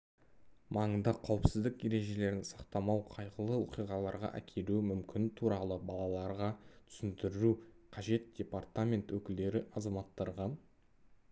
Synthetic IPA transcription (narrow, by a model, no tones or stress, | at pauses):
mʔɑɴənd̪ɑqʰɑwəpsɪzd̪ɪkje̞ɾe̞ʒe̞le̞ɾɪnsɑqt̪ɑmɑwqʰɑjqəlˠəwoqijʁɑlˠɑɾʁɑ̰ʔæ̰kʲʰe̞lumʏmkʲɪnt̪ʰuɾɑlˠəbɑlˠɑlˠɑɾʁɑt̪ʰʏ̥sɪnt̪ɪɾɾuqʰɑʒe̞t̪̚d̪̥ʲe̞part̪amʲe̞nt̪wɵkʲɪld̪e̞ɾɪʔɑzɑmɑt̪ːɑɾʁɑ